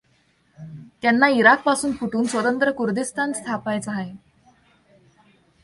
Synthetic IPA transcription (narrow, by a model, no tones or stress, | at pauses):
t̪janːaiɾak̚pasuːnfʰuʈuːnsʋət̪ənt̪ɾəkuɾd̪ist̪ʰanst̪ʰapajt͡saɦae